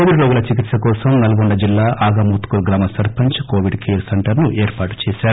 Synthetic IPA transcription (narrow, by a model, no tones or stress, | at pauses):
oːʋiɖɾoːɡulɐt͡ʃik̬it̪sɐkɔːsɐmnɐlɐɡoɳɖɐd͡ʒilːaːʔaːɡɐmuːt̪kuɾɡɾaːmɐsɐɾpɐɲt͡ʃkoːʋiɖkijɾsɐɳʈɐɾnuʔɛːɾpaːʈu̥t͡ʃɛːsaːɾu